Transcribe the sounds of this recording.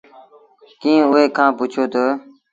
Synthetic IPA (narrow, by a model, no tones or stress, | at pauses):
kĩːʊɦeːkʰãːpʊt͡ʃʰoːt̪əː